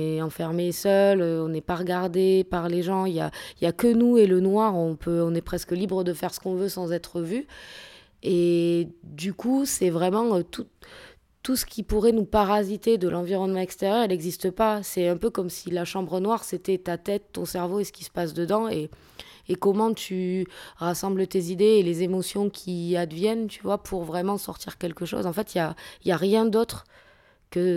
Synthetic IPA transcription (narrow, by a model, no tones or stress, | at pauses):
ɛɑ̃fɛʁmesœløɔ̃nɛpaʁəɡaʁd̪epaʁleʒɑ̃ilja̰iljakənuelənwaʁɔ̃pʰøɔ̃nɛpχɛskəlibʁəd̪əfɛʁsə̥kɔ̃vøsɑ̃zɛt̪χəvy | e | d̪ykusɛvʁɛmɑ̃øt̪u | t̪ːusə̥kʲipuʁɛnupaʁazit̪ed̪əlʔɑ̃viʁɔnmɑ̃ɛkst̪eʁjœʁɛlɛɡzist̪əpasɛɛ̃pøkɔmsilaʃɑ̃bʁənwaʁset̪ɛt̪at̪ɛt̪ːɔ̰̃sɛʁvoesə̥kʲi̥sə̥pasd̪əd̪ɑ̃eː | kɔmɑ̃t̪ʰyʁasɑ̃blət̪ezid̪eːlezemɔsjɔ̃kʲʰiad̪vjɛnt̪yvwapʰuʁvʁɛmɑ̃sɔʁt̪iʁkʲɛlkəʃo̰zɑ̃fɛt̪iljailjaʁjɛ̃d̪ot̪χ | kə